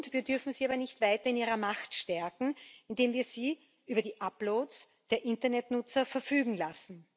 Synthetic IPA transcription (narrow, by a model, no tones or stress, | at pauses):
tv̥iːɐdʏɐfn̩z̥iːaːbɐnɪçtv̥aɪtɐɪniːʁɐmaxtʃtɛɐkŋ̩ɪndeːmviːɐz̥iː | ʔyːbɐdiːʔaploːts | d̥eːɐʔɪntɐnɛtnʊt͡sɐfɛɐfyːɡŋ̩lasn̩